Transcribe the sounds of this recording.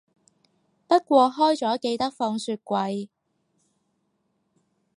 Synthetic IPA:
pɐ˥t̚kʷɔː˧ɦɔː˥jt͡sɔː˨˥ke˧jt̪ɐ˥k̚fɔː˧ŋsyː˧t̚kʷɐ˨˥j

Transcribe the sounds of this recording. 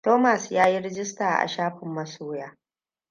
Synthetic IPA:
toː˦ma˨sjaː˦ji˦ɽɛ˦d͡ʒɪ˦staː˨ʔa̰˨ʃaː˦ɸɪ˨mːɐ˨suː˦jaː˦

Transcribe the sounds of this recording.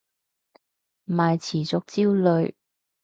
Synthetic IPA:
maː˨jt͡sʰiː˨˩t͡sʊ˨˥k̚t͡siː˥wlɵ˨˧ɥ

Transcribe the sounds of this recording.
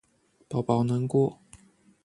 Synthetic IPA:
pɑ˨˩ʊpɑ˨˩ʊnə˧˥˦ŋkwɔ˥

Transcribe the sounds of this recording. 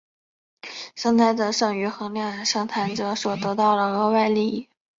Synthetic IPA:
ʂɤ˥ŋt̪ʰa˧˥ɪʈ͡ʂɤ˧˥ʂɤ˥˩ŋy˧˥xɤ˧˥ŋljɑ˥˩˨ʂɤ˥ŋt̪ʰa˧˥nʈ͡ʂɤ˧˥swɔ˨˩t̪ɤ˧˥t̪ɑ˥˩ʊlə˩ɣɤ˥˧wa˥˧ɪli˥˧i˥˩

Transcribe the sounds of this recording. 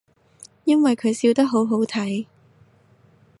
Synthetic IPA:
jɐ˥nwɐ˨jkʰɵ˨˧ɥsiː˧wt̪ɐ˥k̚ɦo˨˥wɦo˨˥wt̪ʰɐ˨˥j

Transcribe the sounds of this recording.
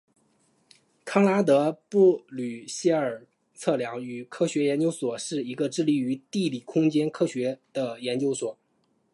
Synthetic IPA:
kʰɑ˥ŋla˥t̪̬ɤ˧˥pu˥˩ly˨˩ɕɛ˥ə˞˨˩ | t͡sʰɤ˥˩ljɑ˧˥ŋy˨˩kʰɤ˥ɕɥɛ˧jɛ˧˥nt͡ɕjo˥ʊswɔ˨˩ʂɻ̩˥˩i˧˥ɡə˧ʈ͡ʂɻ̩˥˩li˧˥˩y˧˥t̪i˥˩li˨˩kʰʊ˥ŋt͡ɕjɛ˥nkʰɤ˥ɕɥɛ˧˥d̪̥ə˧jɛ˧˥nt͡ɕjo˥ʊswɔ˨˩˦

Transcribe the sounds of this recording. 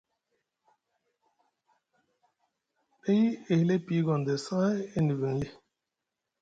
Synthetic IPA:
e˦ji˦e˨hle˦pi˨˦ɡɔ˨n˨d̪e˨sa˦e˦ni˨βi˨n˦le˦

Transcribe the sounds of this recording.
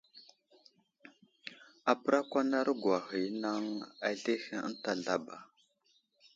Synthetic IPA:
a˨pə˦ɾa˦kʷa˦na˦ɾɡwa˨hi˨jna˦ŋa˨ɮe˦hə̰˦n˦ta˦ɮa˦ba˨

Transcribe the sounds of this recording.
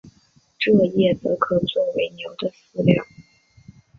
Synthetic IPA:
ʈ͡ʂɤ˥˧jɛ˥˩t͡sɤ˧˥kʰɤ˧˥˩t͡swɔ˥˩we˧˥ɪnjo˧˥ʊd̪ə˧sɹ̩˥˧ljɑ˥˩ŋ

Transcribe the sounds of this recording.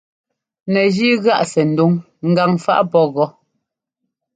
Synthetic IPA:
nɛ˨d͡ʒi˦ɣa˦˨ʔsɛ˨n̩˨du˦ŋ | ŋ̩˨ɡa˨ŋfa̰˦ʔpɔ˦ɣɔ˦

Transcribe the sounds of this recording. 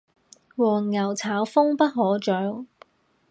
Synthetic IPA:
wɔː˨˩ŋːɐ˨˩wt͡sʰaː˨˥wfʊ˥ŋpɐ˥t̚ɦɔː˨˥t͡ʃœː˨˥ŋ

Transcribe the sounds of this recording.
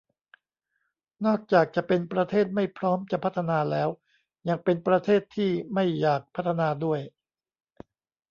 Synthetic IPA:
nɔː˥˩k̚t͡ɕaː˨˩k̚t͡ɕa˨˩pe˧npɾa˧t̪ʰeː˥˩t̪̚ma˥˩jpʰɾɔː˦˥mt͡ɕa˨˩pʰa˦˥t̪ʰːa˧naː˧lɛː˦˥w | ja˧˩ŋpe˧npɾa˧t̪ʰeː˥˩t̪ʰːiː˥˩ma˥˩jːaː˨˩k̚pʰa˦˥t̪ʰːa˧naː˧du˥˩əj

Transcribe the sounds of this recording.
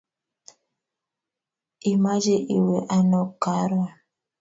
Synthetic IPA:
i˨ma˦d͡ʒe˦ʔi˨we˨ʔa˦nɔ˦ka˨˦ɾɔ˦

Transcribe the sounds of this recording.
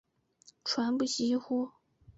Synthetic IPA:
ʈ͡ʂʰwa˧˥npu˥˩ɕi˥xu˥

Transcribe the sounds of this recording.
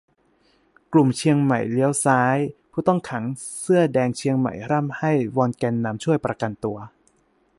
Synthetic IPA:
klu˨˩mt͡ɕʰi˧əŋma̰˨˩jli˦˥əwsaː˦˥jpʰuː˥˩t̪ɔ˥˩ŋkʰa˩˦ŋ | sɯ˥˩ɐdɛː˧ŋt͡ɕʰi˧əŋma̰˨˩jɾa˥˩mha˥˩jwɔː˧nkɛ˧nːaː˦˥mt͡ɕʰu˥˩əjpɾa˧ka˧nt̪u˧ɐ

